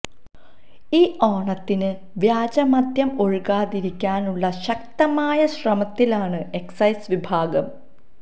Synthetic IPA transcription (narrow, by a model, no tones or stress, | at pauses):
iːʔoːɳɐt̪ːinɨ | ʋjaːd͡ʑɐmɐd̪jɐmo̞ɻikaːðiɾikʲːaːnuɭːɐɕɐk̚t̪ɐmaːjɐɕrɐmɐt̪ːilaːɳɨe̞ksɐjsʋibʱaːɡɐm